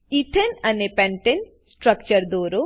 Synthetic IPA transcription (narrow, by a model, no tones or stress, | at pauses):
it̪ʰenɐnepɛɳʈen | sʈɾɐk̚t͡ʃɐɾd̪oːɾo